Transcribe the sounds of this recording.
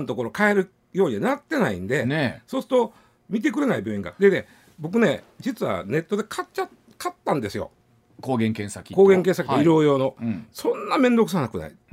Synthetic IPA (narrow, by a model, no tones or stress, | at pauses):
nt̪o̞koɾo̞kaeɾɯ̟ | jo̞ːɲ̟ianat̪ːe̞naḭ̃nd̪e̞so̞ːsɨ̥t̪o | mʲit̪̬e̞k̬ɯ̟ɾe̞naibʲjo̞ːĩŋɡa̰d̪ene | bo̞k̬ɯ̟ne̞ | d͡ʑit͡sɨβa̰ne̞t̪ːo̞d̪e̞kʰat͡ɕa | kat̪ːãnd̪e̞sɨjo̰ | koːɡẽŋkẽɰ̃sakʲiko̞ːɡẽ̞ŋkeɰ̃s̬akioiɾo̞ːjo̞ːno̞sõ̞nːamẽ̞nd̪o̞kɯ̟s̬anakɯ̟na̰ḭ